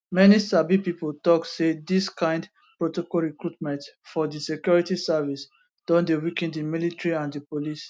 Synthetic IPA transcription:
mɛnisabipipoltɔksediskãɪ̃nd | pɹotɔkɔlɹikɹutmɛ̃ntfɔdisekjuɹitisavis | d̥ɔ̃ndewikɛ̃ndĩmilitɹiãndipolis

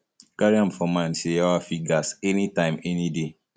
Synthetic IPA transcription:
kaɾiãmfɔmãnsejawafiɡasɛnitãɪ̃mɛnide

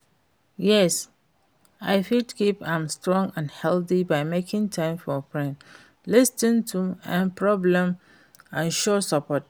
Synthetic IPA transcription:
jɛs | aɪfidkʰipãɪ̃mstɹɔ̃ŋɡãnhɛlθibaɪmekʰɪ̃ŋtʰãɪ̃mfɔpʰɹɛ̃n | lɪstə̃ntʰuãnpʰɹɔblɛ̃m | ãnʃɔsapʰɔt̚

